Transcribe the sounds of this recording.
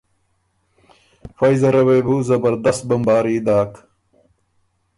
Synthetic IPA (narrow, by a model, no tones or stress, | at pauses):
fɐjzɐɾɐwejbuːzɐbɐɾd̪ɐst̪̚bɐmbaːɾiːd̪aːk